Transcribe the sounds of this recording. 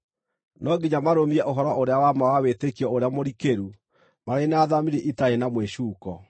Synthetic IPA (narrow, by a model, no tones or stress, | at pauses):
nɔɡiɲamaɾomiɛʔoɦɔɾɔʔoɾeawamawawetekiɔoɾeamoɾikeɾu | maɾenaðamiɾeʔitaenamweɕuːkɔ